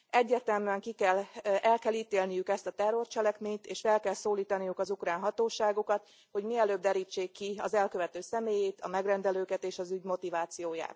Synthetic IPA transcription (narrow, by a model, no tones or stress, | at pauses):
ɛɟːɛrt̪ɛmyɛŋkikɛlɛlkɛliːt̪eːlnijykɛst̪ɒt̪ɛrːo̞rt͡ʃɛlɛkmeːɲt̪eːʃfɛlkɛlsoːliːt̪ɒnijukɒzukraːnɦɒt̪oːʃaːɡokɒt̪ | ho̞ɟmiɛløːb̚d̪ɛɾiːt͡ʃːeːkːiɒzɛlkø̞vɛt̪øːsɛmeːjeːt̪ɒmɛɡrɛnd̪ɛløːkɛt̪eːʃɒzyɟmo̞t̪ivaːt̪sijoːja̰ːt̪